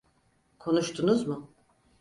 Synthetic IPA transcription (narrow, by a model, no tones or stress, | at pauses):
kʰo̞nuʃt̪ʰunuzmʊ